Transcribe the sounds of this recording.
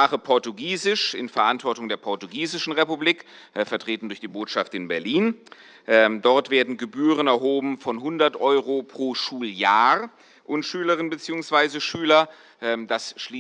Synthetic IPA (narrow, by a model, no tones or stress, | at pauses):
aːχəpʰɔɐtuɡiːzɪʃɪ̰nfɛɐʔantv̥ɔɐtʊŋdeːɐpʰɔɐtuɡiːzɪʃn̩ʁepubliːk | fɛɐtʁ̥eːtn̩dʊɐçd̥iːboːtʃaftɪnbɛɐliːn | ʔɛdɔɐtv̥eːɐdn̩ɡəbyːʁənɛɐɦoːbm̩fɔnhʊndɐtʔɔʏʁopʁ̥oːʃuːljaːʁ | ʔʊntʃyːləʁɪnbət͡siːʊŋsv̥aɪzəʃyːlɐ | ʔɛmd̥asʃliː